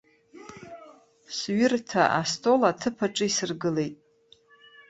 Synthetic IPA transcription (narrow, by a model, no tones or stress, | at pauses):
sɥɪrtʰaʔastʼo̞latʰɨpʰaʈ͡ʂʼɨisɨrɡɨle̞jtʼ